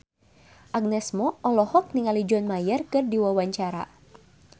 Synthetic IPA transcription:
ʔaɡ̚nɛsmɔʔɔlɔhɔk̚niŋalid͡ʒɔnmajərkɨrdiwawaɲt͡ʃaɾa̰

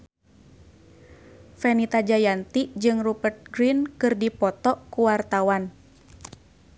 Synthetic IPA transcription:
fɛnit̪ad͡ʒajant̪iʔd͡ʒɨŋrupərt̪̚ɡɾinkɨrdipɔt̪ɔʔkuwart̪awan

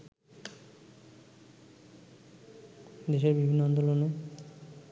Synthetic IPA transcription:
d̪eʃeɾbibʱinːoɔnd̪olone

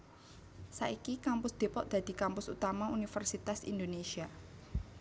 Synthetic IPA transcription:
sa̰ʔikikampʊsd̪̥e̤pɔʔd̪̥ä̤d̪̥i̤kampʊsut̪amaunifərsit̪asḭnd̪onesia

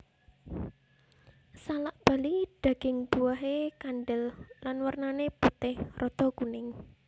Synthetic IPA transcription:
salaʔb̥a̤lid̪̥a̤ɡ̥ɪ̤ŋb̥uwaɦekanɖəllanwərnaneput̪ɪhrʔɔd̪̥ɔ̤kunɪŋ

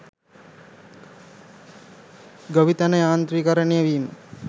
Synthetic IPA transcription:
ɡəʋit̪ɐnɐjaːnt̪ɾikɐɾəɳijəʋiːmə

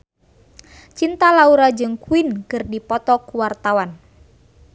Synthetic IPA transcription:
t͡ʃint̪alauɾad͡ʒɨŋkuinkɨrdipɔt̪ɔkuwart̪awan

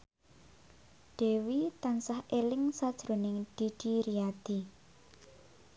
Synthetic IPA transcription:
ɖ̥e̤wit̪ansahʔelɪŋsad̥ʒ̥ɾo̤nɪŋɖ̪̥i̤ɖ̥i̤ɾiad̪̥i

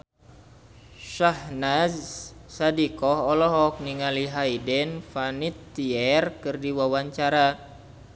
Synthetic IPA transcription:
ʃahnazsadikɔɦɔlɔɦɔk̚niŋaliɦaidɛnfanit̪ːiɛrkɨrdiwawaɲt͡ʃaɾa

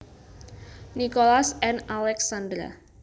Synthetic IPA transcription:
nikolasɛnalɛksand̪ɾa̰

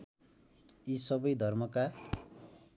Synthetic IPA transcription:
isʌbʌjd̪ʱʌrmʌka

